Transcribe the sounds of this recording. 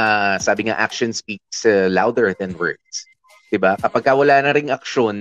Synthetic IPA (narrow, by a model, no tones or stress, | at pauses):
asaːbɪŋa̰ʔa̰k̚ʃonspik̚sɐlawd̪ɛɹðɛnwɛ̰ɹd̪s | d̪̥ɪbakɐpɐɡ̚kɐwɐlaːnɐɾɪŋɐk̚ʃo̞n